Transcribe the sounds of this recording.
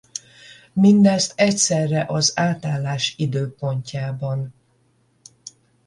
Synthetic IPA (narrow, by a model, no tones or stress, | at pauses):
mind̪ɛst̪ɛcsɛrːɛʔɒzaːt̪aːlːaːʃid̪øːpo̞ɲcaːbɒn